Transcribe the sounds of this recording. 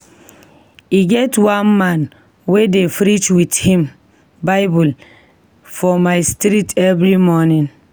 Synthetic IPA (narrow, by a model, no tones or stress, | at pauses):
iɡɛtwãnmãn | wedefɾit͡ʃwithĩm | baɪbul | fɔmaɪstiɾitɛvɾimɔnĩn